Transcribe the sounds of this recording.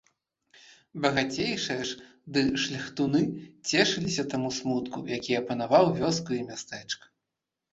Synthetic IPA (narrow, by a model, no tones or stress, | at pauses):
bɐɣat͡sʲejʂɨjɐʂ | d̪ɨʂlʲɐxt̪unɨt͡sʲɛʂɨlʲisʲɐt̪amusmut̪kṵjakʲiɐpɐnavawvʲɔskuimʲast̪ɛt͡ʂkɐ̥